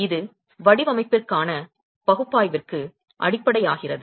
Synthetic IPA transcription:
ɪðɯ | ʋɐɽɪʋɐmɐɪpːɪrkaːnɐ | pɐɣɯpːaːjʋɪrkɯ | ʔɐ̰ɽɪpːɐɽɐjaːɣɪrɐðɯ

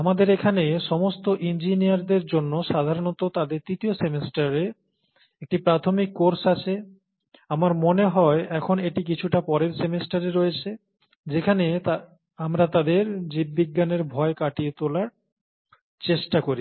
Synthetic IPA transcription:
amad̪eɾekʰaneʃɔmost̪oʔind͡ʑinijaɾd̪eɾd͡ʑonːoʃad̪ʱaɾonot̪ot̪ad̪eɾt̪ɾit̪iosemesʈaɾe | ek̚ʈipɾat̪ʰomikːoɾsat͡ɕʰe | amaɾmoneɦɔeɛkʰoneʈikit͡ɕʰuʈapɔɾeɾsemesʈaɾeɾojet͡ɕʰe | d͡ʑekʰane | amɾat̪ad̪eɾd͡ʑibːiɡːaneɾbʱɔekaʈiet̪olaɾ | t͡ɕeʃʈakoɾi

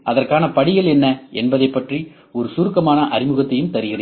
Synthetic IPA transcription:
ʔɐðɐrkaːnɐpɐɽɪɣɐɭɛnːɐɛ̰nbɐðɐɪpːɐʈri | ɔɾɯsuːɾɯkːɐmaːnɐʔɐɾɪmɯɣɐt̪ːɐjɯmt̪ɐɾɪɣɪrɐ

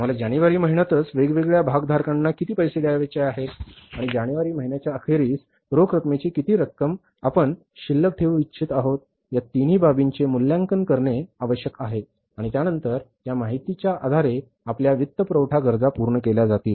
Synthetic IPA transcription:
m̤alad͡ʑaɽ̃iʋaɾiːməɦinjat̪ət͡sʋeɡʋeɡɭjabʱaɡd̪ʱaɾkãnːakit̪iːpəjseɽjaʋet͡ɕeaɦet̪aɽ̃id͡ʑaɽ̃iʋaɾiːməɦinat͡ɕjaəxeɾiːs | ɾokɾəkmet͡ɕiːkit̪iːɾəkːəm | apəɳ | ɕilːək̚ʈ̪ʰeʋitːɕʰit̪aɦot̪̚ | jat̪in̤iːbʱabiɲt͡ɕemuljãŋkənkəɾɳeaʋəɕjəkaɦe | aɽ̃it̪janənt̪əɾ | jamaɦit̪it͡ɕjaʔad̪ʱaɾe | apljaʋit̪ːəpɾəwʈʰaɡəɾd͡zapuɾɳəkelad͡zat̪iːl

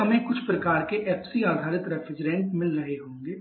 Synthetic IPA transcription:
əmẽkʊt͡ʃʰpɾəkaːɾkeʔɛːpʰsiːaːd̪ʱaːɾɪt̪ɾɛpʰɪd͡ʒɾɛ̃ːɳʈmɪlɾəɦeɦõːŋɡeː

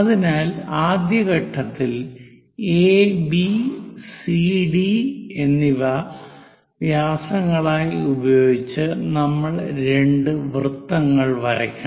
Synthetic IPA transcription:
ɐðinaːlaːd̪jɐɣɐʈʰːɐt̪ːil | eːbisiɖie̞nːiʋɐ | ʋjaːsɐŋːɐɭaːjubɐjo̞ːɡit͡ɕːɨnɐmːɐɭɾe̞ɳɖɨʋrɨt̪ːɐŋːɐɭʋɐɾɐ̰kʲːuɳ

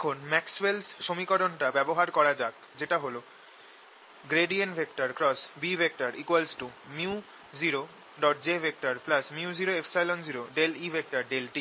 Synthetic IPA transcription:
d̪ekʰunmɛkswelsʃomikɔɾonʈabɛboɦaɾkɔɾad͡ʑak | d͡ʑeʈaɦolo | ɡɾeɖienbʱekʈaɾkɾɔsbibʱek̚ʈaɾʔikwalsʈumiu | d͡ʑiɾo | ɖɔʈd͡ʑebʱek̚ʈaɾplasmiud͡ʑiɾoefsajlond͡ʑiɾoɖelibʱek̚ʈaɾɖelʈi

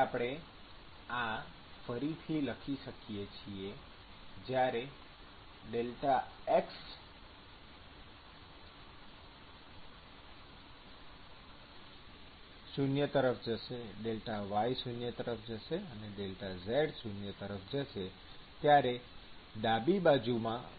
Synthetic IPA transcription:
apɽ̃e | ã | fəɾit̪ʰiləkʰiʃəkijet͡ʃʰie | d͡ʒjaɾe | ɖelʈaeks | sunjət̪əɾəfd͡ʒəʃeɖelʈaʋajsunjət̪əɾəfʰd͡ʒəʃeəneɖelʈazeɖsunjət̪əɾəfd͡ʒəʃe | t̪jaɾe | ɖ̪abibad͡ʒumã

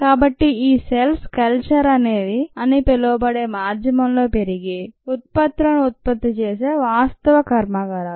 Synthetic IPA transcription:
kaːbɐʈːiiːselskɐlt͡ʃɐɾɐneːd̪iɐnipɛloːbɐɽeːmaːɾd͡ʒ̪ʱjɐmɐmlo̞ːpeɾiɡeut̪̚pɐt̪ɾɐnut̪̚pɐt̪ːit͡ʃeːs̬eːʋaːst̪ɐʋɐkɐɾmaɡaɾaː

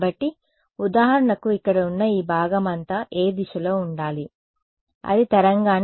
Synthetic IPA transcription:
bɐʈːi | ud̪aːɦɐɾɐɳɐkuikːɐɽɐunːɐiːbʱaːɡɐmɐnt̪aːʔeːd̪iʃɐlo̞ːuɳɖaːli | ɐ̰d̪it̪ɐɾɐŋɡaːn

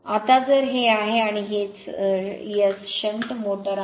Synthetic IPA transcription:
at̪ad͡zəɾɦeaɦeaɽ̃iɦet͡s | jət͡sɕənt̪moʈəɾ

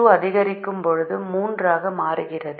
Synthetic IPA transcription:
ɯɐðɪɣɐɾɪkːɯmpɔɻɯðɯmuːndraːɣɐmaːɾɯɣɪrɐð

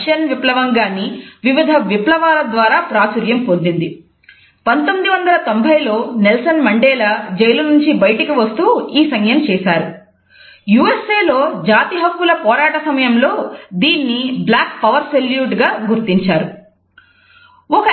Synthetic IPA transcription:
ʃɐnʋiplɐʋɐŋɡaːnːiʋiʋid̪ʱɐʋiplɐʋaːlɐd̪ʋaːɾaːpɾaːt͡ʃuɾjɐmpond̪ind̪i | pɐnt̪omːid̪iʋɐnd̪ɐlɐt̪o̞mbʱɐjlo̞ːnelsɐnmɐɳɖɛːlɐd͡ʒejlɐnuɲt͡ʃibɐjʈɐkiʋɐst̪uːiːsɐŋjɐmt͡ʃɛːsaːɾu | juːese̞ːlo̞ːd͡ʒaːt̪iɦɐkːulɐpɔːɾaːʈɐsɐmɐjɐmlo̞ːd̪iːnːiblaːk̚pɐʋɐɾseljuːʈɡaːɡuɾt̪iɲt͡ʃaːɾu | ɔkɐ

